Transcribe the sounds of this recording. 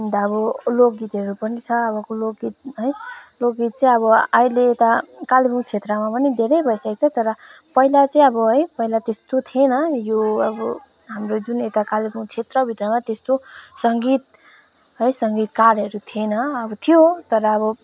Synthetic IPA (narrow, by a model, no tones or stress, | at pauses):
ind̪aːbʌlok̚ɡit̪ɦʌɾupʌnit͡sʰʌːβʌkolokɡit̪̚ɦʌjlok̚ɡit̪̚t͡sãĩʌβʌaileːt̪akalibʰuŋt͡sʰet̪rʌmapʌnid̪ʱeɾʌjbʱʌjsʌkt͡sʰʌt̪ʌɾʌ | pʌilat͡sãĩʌbʌɦʌjpʌɦilat̪est̪ot̪ʰienʌjoʌbʌ | ɦamrod͡zunet̪akalibuŋt͡sʰet̪rʌbʱit̪ʌmat̪est̪osʌŋɡit̪̚ | ɦʌjsʌŋɡit̪kaɾɦʌɾut̪ʰienʌʌbʌt̪ʰijot̪ʌɾʌːβʌ